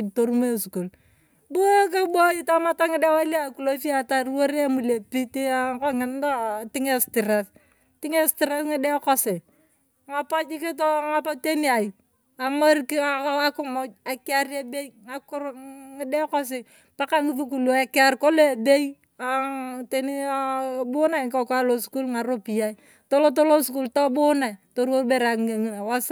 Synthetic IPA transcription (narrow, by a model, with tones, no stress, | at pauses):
to˨ɾu˦me˦su˨ko˨l | bu˦ka˦bo˦i˦ta˦ma˦ta˦ŋɪ˦de˦wa˦la˦˨ku˨lo˦fi˦a˨ta˦ɾwo˦ɾe˦mu˨le˨pi˦te˦a˨ko˦ŋɪ˨n˦da˦˨tɪ˦ŋe˦stɪ˨ɾa˨˦s | tɪ˦ŋe˦stɪ˨ɾe˦sŋɪ˦de˦ko˦se˨ | ŋa˨pa˦d͡ʒi˦ke˦t̬o˦ŋa˦pa˦te˦ni˦a˨i˨ | a˨ma˦ɾki˦a˦kʊ˦mo˦a˨kɪ˦a˦ɾe˦be˦i˦ŋa˨kʊ˦ɾŋɪ˦dɛ˦kɔ˦s̬ɪ˨ | pa˦ka˦ŋi˦fu˦k̬u˨lo˨a˦ka˦ɾko˦le˦˨be˦i˦ | a˨te˦ni˦bʊ˦na˦˨kɔ˦˨ka˦lo˨sku˦lŋa˨ɾo˦pi˨ja˦i˦ | to˦lo˦t̬o˦lo˦sku˦lto˦bʊ˦na˨i˨to˦ɾwo˦be˦ɾa˨ŋe˨ŋi˨na˨wa˦s